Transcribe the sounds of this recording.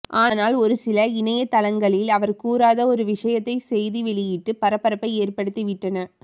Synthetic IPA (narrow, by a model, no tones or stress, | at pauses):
ʔaːnaːlɔɾɯsɪlɐɪnɐjɐt̪ːɐlɐŋɡɐɭɪlɐʋɐɾkuːɾaːðɐɔɾɯʋɪʂɐjɐt̪ːɐɪsɛjðiʋɛɭɪjɪʈːɯpɐɾɐpːɐɾɐpːɐɪeːrpɐɽɯt̪ːiʋɪʈrɐnɐ